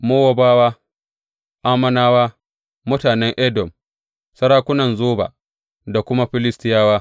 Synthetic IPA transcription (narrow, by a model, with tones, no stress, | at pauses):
moː˦wa˨baː˦waː˦ | ʔaː˦mɐ˦naː˦waː˦ | mʊ˦taː˨nɛ˦ŋʔɛ˦dɔ˨m | sɐ˦ɾaː˦kʷʊ˦nɐ˨nzoː˦ba̰ː˨ | da˨kʷʊ˦ma˦ɸɪ˦lɪ˦stɪ˦jaː˦waː˦